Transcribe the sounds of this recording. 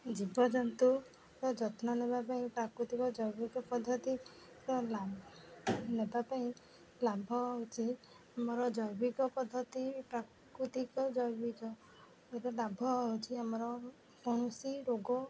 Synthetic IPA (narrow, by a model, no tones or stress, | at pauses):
d͡ʒibɔd͡ʒɔnt̪u | ɾɔd͡ʒɔt̪ʰnɔnebapaĩpɾakɾut̪ikɔd͡ʒɔjbikɔpɔd̪ʱːɔt̪i | ɾɔla | nebapaĩ | labʱɔɦut͡ʃʰi | amɔɾɔd͡ʒɔjbikɔpɔd̪ʱːɔt̪ipɾak | ɾut̪ikɔd͡ʒɔjbikɔ | eɾɔlabʱɔut͡ʃʰiamɔɾɔ | kɔɽ̃usiɾoɡɔ